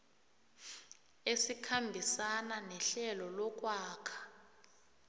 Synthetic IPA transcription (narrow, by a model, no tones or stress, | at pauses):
esikʰambʱisananɛɬɛlɔlɔk̬ʼwaːkʰḁ